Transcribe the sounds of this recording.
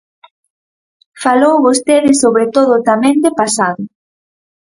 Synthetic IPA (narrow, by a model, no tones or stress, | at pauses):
falowβost̪eðɪsoβɾet̪oðʊt̪amɛ̃nd̪epasaðʊ